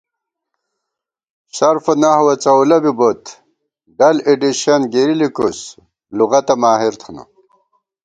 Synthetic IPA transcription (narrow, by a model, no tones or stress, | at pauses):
ɕɐɾfɐnahwɐt͡sɐwlɐbibot̪ | ɖɐleɖiɕɐnɡeɾilikus | luɣɐt̪ɐmaːɦiɾt̪ʰunṵ